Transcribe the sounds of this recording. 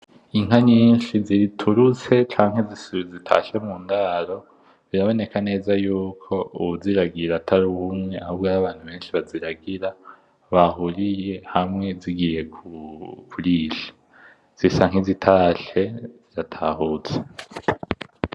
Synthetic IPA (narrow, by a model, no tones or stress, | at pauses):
iŋ̥haɲinʃizitʰuɾut͡se̞t͡ʃaːŋ̥hezisuɾizitʰa̰ʃemuːndaɾo̞ | βiɾaβo̞ne̞kane̞ːzajuːkʰo̞uβuziɾaɡiɾatʰaɾuhumŋe̞ahuβɡaɾaβaːn̥uβe̞ːnʃiβaziɾaɡiɾa | βaɦuɾije̞hamŋe̞ziɡije̞kukʰuɾiːʃe̥ | z̥isaŋ̥hizitʰaːʃe̞z̥iɾatʰahuːt͡se̥